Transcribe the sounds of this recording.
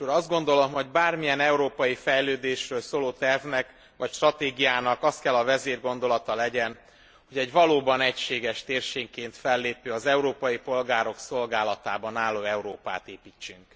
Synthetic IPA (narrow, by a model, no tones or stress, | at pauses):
uɾɒzd̪ɡo̞nd̪o̞lo̞mɦo̞ɟbaːrmijɛnɛuɾoːpɒjifɛjløːd̪eːʃrøːlsoːloːt̪ɛrvnɛk | ʋɒcʃt̪rɒt̪eːɡijaːnɒkɒst̪̚kɛlːɒvɛzeːrɡo̞nd̪o̞lɒt̪ɒlɛɟɛn | ho̞ɟɛɟʋɒloːbɒnɛcʃeːɡɛʃt̪eːrʃeːŋkeːnt̪fɛlːeːpøːɒzɛuɾoːpɒjipo̞lɡaːɾo̞kso̞lɡaːlɒt̪aːbɒnaːlːoːɛuɾoːpa̰ːt̪eːpiːt͡ʃːyŋk